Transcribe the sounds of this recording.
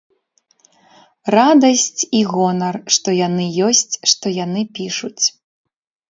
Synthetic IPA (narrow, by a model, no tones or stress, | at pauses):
rad̪ɐsʲt͡sʲiɣɔnɐrʂt̪ɔjanɨjɔsʲt͡sʲʂt̪ɔjan̪ɨpʲiʂut͡sʲ